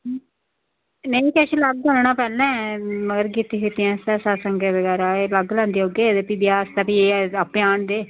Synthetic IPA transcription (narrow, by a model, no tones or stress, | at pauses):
neĩkɛʃiləɡ̚ənɳaːpɛːlɛ̃ːməɡəɾɡiːt̪ːiːkit̪iãːst̪ɛːsaːsəŋɡeːbəɡɛːɾaːeːləɡlãːnd̪iːoːɡeːd̪eːpibjaːst̪ɛːpieːəpjaːɳd̪eː